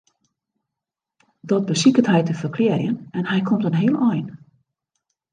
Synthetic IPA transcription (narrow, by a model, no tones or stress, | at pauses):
dɔt̚bəsikəthɛjtəfərkʰleərjənɛnhɛjkʰomtənɦiəlˠɔjn